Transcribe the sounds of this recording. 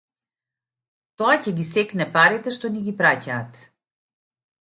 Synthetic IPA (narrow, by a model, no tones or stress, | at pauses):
t̪oacɛɡʲisɛknɛpaɾit̪ɛʃt̪ɔniɡipɾacaːt̪